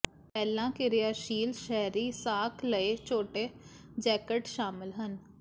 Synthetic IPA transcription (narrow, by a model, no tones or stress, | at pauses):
pɛːlãːkɪɾɪjaːʃiːlʃɛːɾiːsaːkʰləeːt͡ʃʰoːʈeː | d͡ʒɛːkəʈʃaːmɪlɦən